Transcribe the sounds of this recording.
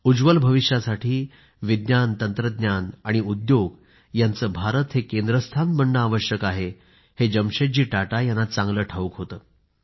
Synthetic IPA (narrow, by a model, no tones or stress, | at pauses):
ud͡ʑʋəlbʱəʋiʂjasaʈʰiː | ʋid̪ɲjant̪ənt̪ɾəd̪njanaɽ̃iud̪joɡ | jant͡səːbʱaɾət̪hekend̪ɾəst̪ʰanbəɳɖəːʋəɕjəkaɦe | hed͡ʑəmɕed͡ʑiːʈaʈajanːat͡sãŋɡləːʈʰaʋukɦot̪əː